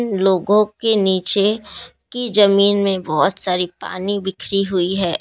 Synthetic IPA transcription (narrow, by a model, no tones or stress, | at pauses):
nloːɡõkeniːt͡ʃe | kid͡ʒɐmiːnmẽbɔːʊt̪saːɾipa̰ːnibɪkʰɾiɦʊiɦɛː